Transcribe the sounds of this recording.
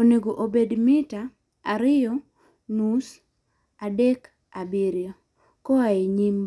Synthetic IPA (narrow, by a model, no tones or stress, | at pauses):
oneɡoʔobedmɪta | aɾɪjɔ | nus | adɛk | abiɾjo | kɔaeɲim